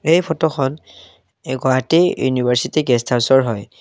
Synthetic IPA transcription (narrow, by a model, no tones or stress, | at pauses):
ejpʰɔtɔxʰɔn | ɡɔatejṵnibʱaɹsitiɡɛstʰasɔɹɦɔj